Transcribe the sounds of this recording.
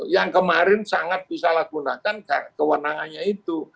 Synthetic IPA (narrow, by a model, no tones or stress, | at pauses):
jaŋkəmaɾɪnsaŋat̪̚b̥isalahɡ̥unakanka̰kəwənaŋanɲait̪u